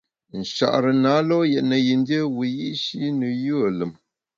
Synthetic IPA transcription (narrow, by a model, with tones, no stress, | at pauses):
n̩˨ʃa̰˨ʔɾə˨na˨˦lɔ˦jɛ˨ʔnə˨ji˨n˦də˦wu˨ji˦ʔʃi˦nɨ˨ju˦ə˨lə˨m